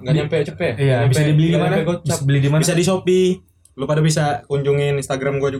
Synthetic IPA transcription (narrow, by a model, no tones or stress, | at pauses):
ŋɡaɲampɛt͡ʃəpɛijaabiɛdibəlidimanot͡ʃabəlidimabisadis̬opi | lupadabisakuɲd͡ʒuŋɪninst̪aɡɾamɡuad͡ʒuɡ